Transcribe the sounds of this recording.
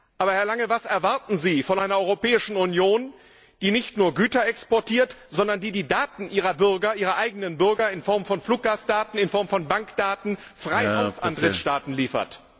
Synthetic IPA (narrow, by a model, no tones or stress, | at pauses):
ʔaːbɐhɛɐlaŋəvasɛɐvaɐtn̩ziːfɔnʔaɪnɐʔɔʏʁopɛːɪʃn̩unjoːn | d̥iːnɪçtnuːɐɡyːtɐɛkspɔɐtʰiːɐtz̥ɔndɐndiːdiːdaːtn̩ʔiːʁɐbʏʁɡɐʔiːʁɐʔaɪɡənənbʏɐɡɐɪnfɔɐmfɔnfluːk̚ɡ̥aːsd̥aːtn̩ɪnfɔɐmfɔnbaŋkd̥aːtn̩ | fʁ̥aɪhaʊsʔandʁɪʃtaːtn̩liːfɐ̰t